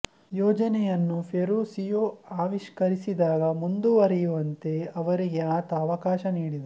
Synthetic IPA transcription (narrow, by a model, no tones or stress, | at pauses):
jɔːd͡ʒɐnɛjɐnːupʰeɾuːsijoːaːʋiʃkɐɾisid̪aːɡɐmund̪uʋɐɾɛjuʋɐnt̪e̞ɐʋɐɾiɡeaːt̪ɐːʋɐkaːʃɐniːɽid̪e